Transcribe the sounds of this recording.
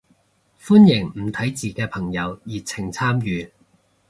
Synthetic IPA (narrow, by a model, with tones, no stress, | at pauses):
fu˥njɪ˨˩ŋm̩˨˩t̪ʰɐ˨˥jt͡siː˨kɛː˧pʰɐ˨˩ŋjɐ˨˧wjiː˨t͡sʰɪ˨˩ŋt͡sʰaː˥mjyː˨˧